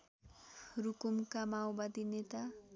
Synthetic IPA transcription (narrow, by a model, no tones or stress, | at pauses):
rukumkamawbad̪inet̪a